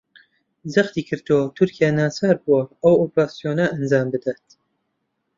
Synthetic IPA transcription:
zɐχt̪iːkʰɨɾd̪ot̪ʰʊɾkijaːnaːsaːɾbuwɐɐwopɾaːsijoːnɐʔɐnzaːmbɨd̪at̪

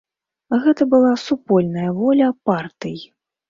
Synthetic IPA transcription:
ɣɛt̪ɐbɨlˠasupɔlʲnɐjɐvɔlʲɐpart̪ɨji

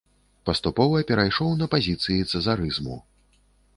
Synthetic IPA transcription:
pɐst̪upɔvɐpʲɛɾajʂɔwnɐpazʲit̪sɨjit̪sɐzaɾɨzmṵ

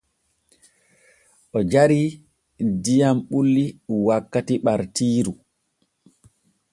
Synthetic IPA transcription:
ʔɔd͡ʒaɾi | dijamɓulːiwakːatiɓaɾtiːɾu

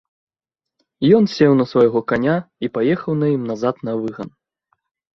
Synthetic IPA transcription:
jɔnsʲɛwnɐsvɐjɣɔkanʲaipajɛxɐwnɐjimnazat̪nɐvɨɣɐn

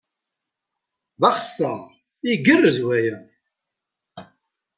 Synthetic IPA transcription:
ðɑχsæ | iɡərːəzwæjə

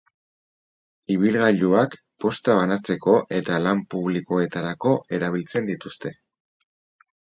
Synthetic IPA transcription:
iβ̞ilɣaʎuak | po̞st̪aβ̞anat͡se̞ko̞ʔe̞t̪alampuβliko̞e̞t̪aɾako̞ʔe̞ɾaβ̞ilt͡se̞nd̪it̪ust̪e̞

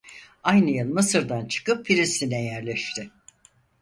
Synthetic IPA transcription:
ajnɯjɯnˠmɯsɯɾd̪ant͡ʃʰɯ̥kɯpːʰiɾist̪inɛjæɾlʲɛʃt̪ʰɪ

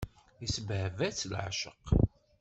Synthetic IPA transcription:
əsbhvæt͡sːlʕ̰ʃə̰q

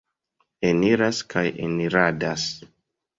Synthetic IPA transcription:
eniɾaskʰajḛniɾadas

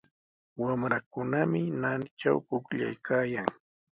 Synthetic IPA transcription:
wamɾakʊnamɪnant͡ʃa̰wkʊkʎa̰jkʰaːjaŋ

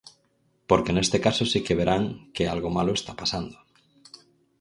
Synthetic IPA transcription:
poɾkene̞st̪ekasosikeβ̞eɾʔaŋkealɣomaloest̪apasand̪o

